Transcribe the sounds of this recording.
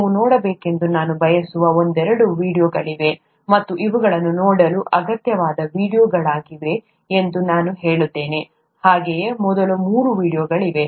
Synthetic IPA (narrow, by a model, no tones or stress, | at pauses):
munoːɽɐbeːke̞nd̪unaːnubʱɐjɐsuʋɐond̪ɛɾɐɽuʋiːɽijoːɡɐɭiʋe̞ | mɐt̪ːuʔiʋuɡɐɭɐnːunoːɽɐluʔɐɡɐt̪jɐʋaːd̪ɐʋiːɽijoːɡɐɭaːɡiʋe | end̪unaːnuɦe̞ːɭut̪ːe̞ːne̞ | haːɡejemɔd̪ɐlumuːɾuʋiːɽijoːɡɐɭiʋe̞